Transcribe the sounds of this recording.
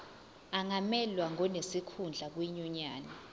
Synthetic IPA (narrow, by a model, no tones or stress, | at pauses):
aŋamɛlwaŋɔnesikʰund͡ɮʱak̬wiɲɔɲaːnɛ